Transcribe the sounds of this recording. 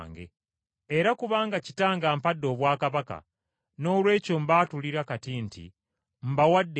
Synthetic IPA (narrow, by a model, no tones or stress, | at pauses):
ŋɡḛ | eɾakuβaːŋɡacitaːŋɡaːmpadːo̞βwaːkaβaka̰ | no̞ːlwe̞ːco̞mbaːtuliɾakatintḭ | m̩bawadː